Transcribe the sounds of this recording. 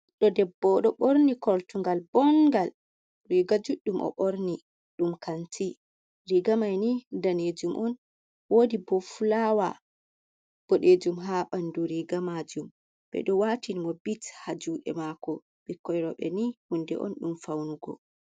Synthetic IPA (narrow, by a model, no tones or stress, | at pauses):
ɗɔdɛbːɔɗɔɓoɾnikɔltuŋɡalbɔŋɡal | ɾiɡad͡ʒuɗːumʔɔ̰ɓoɾni | ɗumkanti | ɾiɡamajnidaned͡ʒumʔɔn | wodibɔfulawa | b̥ɔɗed͡ʒumɦaɓanduɾiɡamad͡ʒum | bɛ̰ɗɔwatʰinimɔbithad͡ʒuɗɛ̰makɔ | bikɔjɾɔɓɛ̰nihundɛ̰ʔɔ̰nɗumfawnuɡɔ̰